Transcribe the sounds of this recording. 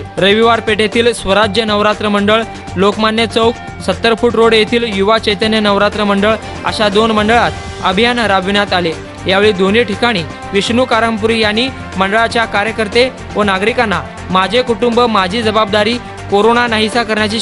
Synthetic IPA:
ɾəjʋiʋaɾpeʈet̪ʰiːlsʋəɾad͡ʑjənəʋɾat̪ɾəməɳɖəɭ | lokmanjət͡səwk̚ | sət̪ːəɾfuːʈɾoɽjet̪ʰiːljuʋat͡ɕəjt̪ənjənəʋɾat̪ɾəməɳɖəɭ | ə̰ɕad̪onməɳɖəɭat̪ | əbʱijanɾabʋinjat̪ale | jaʋeɭiːd̪oniʈikaɽ̃iː | ʋiɕnukaɾəmpuɾijaniː | məɳɖəɭat͡ɕjakaɾjəkəɾt̪e | ʋənaɡɾikanːa | mad͡ʑʱekuʈumbəmad͡ʑʱiːd͡zəbab̚d̪aɾiː | koɾonanaɦisakəɾjat͡ɕiː

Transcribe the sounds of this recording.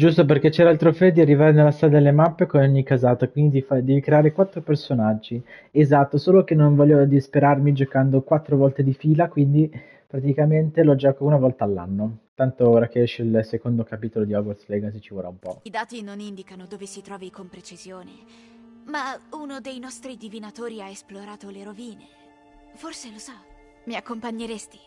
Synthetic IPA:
d͡ʒust̪operk̟et͡ʃːɛɾaalt̪ɾofɛd̪iarːivaːɾenelːast̪ɾad̪ad̪elːemapːekonoɲːikazaːt̪akwind̪id̪ifad̪ɛːvikɾeaːɾekwat̪ːɾopersonad͡ʒːi | ezat̪ːosoːlokenːoɱvɔʎːod̪ispeɾarmid͡ʒokand̪okwat̪ːɾovɔlt̪ed̪ifiːlakwind̪i | pɾat̪ikament̪elɔd͡ʒɔːkounavɔlt̪aːlːa̰nːot̪ant̪ooːɾak̟eɛʃeilsekond̪okapiːt̪olod̪iaɡoslɛɡasit͡ʃivoɾaumpɔid̪aːt̪inonind̪ikanod̪oːvesit̪ɾɔːvikompɾet͡ʃizjoːne | maunod̪ejnɔst̪ɾid̪ivinat̪oːɾiaesploɾaːt̪oleɾoviːne | forselosɔ | miakːompaɲːeɾest̪i̥

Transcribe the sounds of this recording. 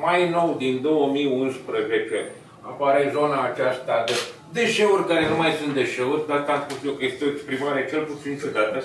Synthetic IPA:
majno̞wd̪ind̪o̞wəmiunspɾəzet͡ʃe̞ | apaɾe̞zo̞naːt͡ʃast̪ad̪e | d̪e̞ʃe̞urʲkaɾe̞numajsunt̪̚d̪e̞ʃe̞urʲd̪at̪aspust̪jokjest̪eoekspɾimaɾet͡ʃe̞lput̪sint͡ʃeɡ̪at̪ə

